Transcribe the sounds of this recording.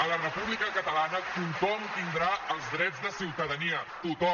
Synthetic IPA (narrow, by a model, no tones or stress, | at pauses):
ələrəpuβlikəkət̪əlanət̪uŋt̪ɔmt̪ind̪ɾaəlˠzðɾɛd͡zðəsiwt̪əðəniət̪ut̪ɔ